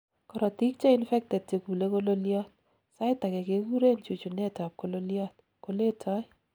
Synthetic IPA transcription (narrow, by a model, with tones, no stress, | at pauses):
kɔɾɔ˨ti˦k̚t͡ʃe˦ɪnfɛ˦k̚tɛ˨d̚t͡ʃe˨ku˨le˦ko˦lo˦ljɔ˦t̚ | sa˦ɪta˨kɛ˨ke˨ku˦ɾe˦nt͡ʃu˨t͡ʃu˨nɛ˦ta˨p̚ko˦lo˦ljɔ˦t̚ | ko˨le˦tʰa˦